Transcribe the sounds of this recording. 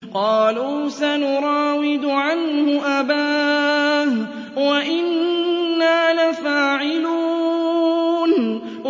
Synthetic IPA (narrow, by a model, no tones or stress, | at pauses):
qɑːluːsanʊɾˤɑːwɪd̪ʊʕanhʊʔabaː | h | waʔɪnː | aːnafaːʕɪluː | n